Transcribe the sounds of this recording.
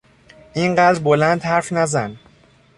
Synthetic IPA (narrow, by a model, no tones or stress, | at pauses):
ʔinɢæːd̪ɾbolænd̪hæɾfnæzæn